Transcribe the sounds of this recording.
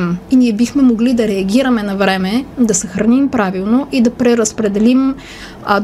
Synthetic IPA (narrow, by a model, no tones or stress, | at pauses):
miniɛbixmɛmoɡlid̪ɐɾɛɐɡʲiɾɐmɛnɐvɾɛmɛd̪ɐsɐxɾɐnimpɾavilˠnoʔid̪ɐpɾɛɾɐspɾɛd̪ɛlim